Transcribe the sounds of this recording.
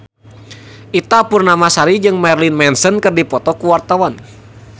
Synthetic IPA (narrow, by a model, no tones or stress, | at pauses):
ʔit̪apurnamasaɾid͡ʒɨŋmɛrlinmɛnsənkɨrdipɔt̪ɔkuwart̪awan